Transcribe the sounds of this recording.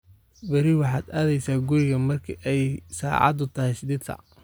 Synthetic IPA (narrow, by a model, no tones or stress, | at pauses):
bɐɾiwɑħɑːd̪aːðɛjsaːɡʊɾɪɣɐmɐrkʰiʔɛjsa̰ːʕɑ̰d̪ʊt̪ʰɐɦɛsɪd̪ɪd̪tʰɐ̰